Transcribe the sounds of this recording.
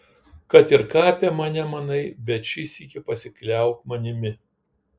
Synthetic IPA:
kɐt̪ɪɾkɑːpʲemɐnʲɛmɐnɐɪbʲɛt̪ʃʲɪsʲiːkʲɪpɐsʲɪklʲæˑʊkmɐnʲɪmʲɪ

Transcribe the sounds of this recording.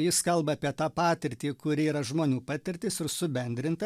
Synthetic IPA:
jɪskɐlˠbɐːpʲiɛt̪ɑːpɑːt̪ʲɪɾʲt̪ʲiːkʊɾʲɪiːɾɐʒmoːnʲuːpɑːt̪ʲɪɾʲt̪ʲɪsɪɾsʊbʲɛnʲd̪ʲɾʲɪnt̪ɐ

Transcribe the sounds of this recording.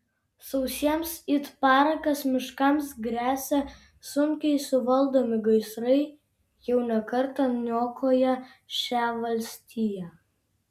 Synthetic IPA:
sɐʊsʲiɛmsɪt̪pɑːɾɐkɐsmʲɪʃkɐmsɡɾʲæːsʲɛ | sʊŋʲkʲɛɪsʊʋɐlˠd̪oːmʲɪɡɐɪsɾɐɪ | jɛʊnʲɛkɐɾt̪ɐnʲoːkʰoːjɛʃʲæːʋɐlʲsʲt̪ʲiːjæ

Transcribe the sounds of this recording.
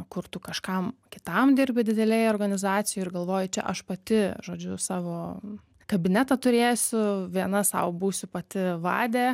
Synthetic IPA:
kʊrt̪ʊkɐʃkɐmkʲɪ̥t̪ɐmd̪ʲɪrʲbʲɪd̪ʲɪd̪ʲɛlʲɛjoːrɡɐnʲɪzɑːt̪t͡ssʲɪjoɪɾɡɐlˠʋoːjɪt͡ʃʲɛ̰ʔɐʃpɐt̪ʲɪʒoːd͡ʒʲʊsɑːʋoː | kɐbʲɪnʲɛt̪ɐt̪ʊɾʲeːjsʲʊʋʲiɛnɐsɐ̰ʊbuːsʲʊpɐt̪ʲɪʋɑ̰ːd̪ʲeː

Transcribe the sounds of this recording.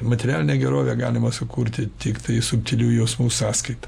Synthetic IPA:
mɐt̪ʲɛɾʲæːlʲɪnʲeːɡʲɛɾoːʋʲeːɡɑːlʲɪmɐsʊkuːɾʲt̪ʲɪt̪ʲikt̪ɐɪsʊpʲt̪ʲɪlʲuːjɛʊsmuːsɑːskɐɪt̪ɐ̥

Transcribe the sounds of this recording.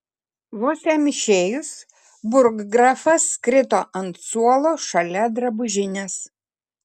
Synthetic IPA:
ʋoːsʲæmʲɪʃʲeːjʊs | bʊɾɡːɾɐfɐskɾʲɪt̪oːʔɐnt̪suɔlˠoːʃɐlʲɛd̪ɾɐbʊʒʲɪnʲes

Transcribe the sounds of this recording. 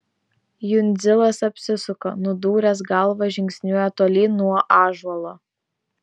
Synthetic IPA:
jʊnʲd̪zʲɪlˠɐsɐpʲsʲɪsʊko̰ːnʊd̪uːɾʲɛs̬ɡɐlˠʋɐʒʲɪŋʲksʲnʲuɔjɛt̪oːlʲeːnuɔʔɑːʒɔlˠoː

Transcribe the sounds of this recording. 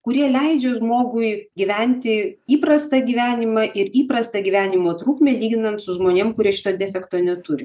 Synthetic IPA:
kʊɾʲiɛlʲɛɪd͡ʒʲɛʒmoːɡʊɪɡʲiʋʲɛnʲt̪ʲɪiːpɾɐst̪ɐɡʲiːʋʲæːnʲɪmɑʔɪɾiːpɾɐst̪ɐɡʲiːʋʲæːnʲɪmoːt̪ɾuːkmʲeːlʲiːɡ̪ʲɪnɐnt̪sʊʒmoːnʲeːmkʊɾʲiɛʃɪ̥t̪oːd̪ʲæːfʲɛkt̪oːnʲɛt̪ʊɾʲɪ

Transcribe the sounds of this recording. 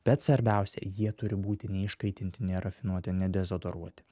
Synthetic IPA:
b̥ʲɛt̪sʋɐɾʲbʲæˑʊsʲɛ̰jiɛt̪ʊɾʲɪbuːt̪ʲɪnʲɛɪʃkɐɪt̪ʲɪnʲt̪ʲɪnʲɛɾɐfʲɪnuɔt̪ʲɪnʲɛd̪ʲɛzod̪oɾuɔt̪ʲɪ̥

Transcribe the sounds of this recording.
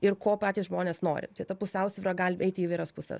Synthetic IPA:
ɪrkoːpɑːtʲiːsʒmoːnʲeːsno̰ːɾʲɪ̰t̪ɐɪt̪ɐpʊsʲɛʊsʲʋʲɪɾɐɡɐlʲɛɪt̪ʲɪiːʋɐɪɾɐspʊsʲɛ̰s

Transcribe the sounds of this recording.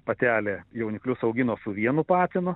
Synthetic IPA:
pɐt̪ʲæːlʲeːjɛʊnʲɪklʲʊsɐʊɡʲɪnoːsʊʋʲiɛnʊpɑːt̪ʲɪnʊ

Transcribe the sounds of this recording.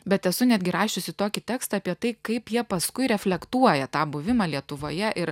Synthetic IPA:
bʲɛt̪ɛsʊnʲæd̪ɡʲɪɾɑːʃʲt͡ʃʲosʲɪt̪oːkʲɪt̪ʲæːkst̪ɑːpʲiɛt̪ɐɪkɐɪpjiɛpɐskʊɪɾʲɛfʲlʲɛkt̪uɔjɛt̪ɑːbʊʋʲɪmɑːlʲiɛt̪ʊʋoːjɛʔɪɾ

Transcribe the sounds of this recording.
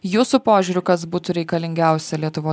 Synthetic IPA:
juːsʊpoːʒʲuːɾʲʊkɐsbuːt̪ʊɾʲɛɪkɐlʲɪŋʲɡʲæˑʊsʲɛlʲiɛt̪ʊʋoː

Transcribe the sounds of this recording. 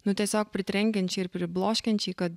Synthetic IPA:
nut̪ɛsak̚pɾit̪ɾɛŋkɛnt͡ʃiɾpɾiblˠɔʃkɛnt͡ʃikə

